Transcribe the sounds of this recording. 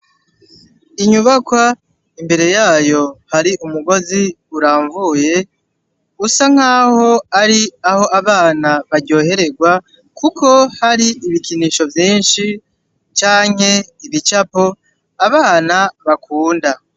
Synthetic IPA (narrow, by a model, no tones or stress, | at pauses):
iɲuβakwa | imbe̞ɾe̞jaːjo̞haɾiʔumuɡo̞zi | uɾaːɱvuːje̞ | usaŋ̥aːho̞aɾiaho̞ʔaβaːnaβaɾɟo̞ːhe̞ɾe̞ɡwa | kukʰo̞haɾiːβikiniːʃo̞vjiːnʃi | t͡ʃaːŋ̥he̞iβit͡ʃapo̞ | aβaːnaβakʰuːnda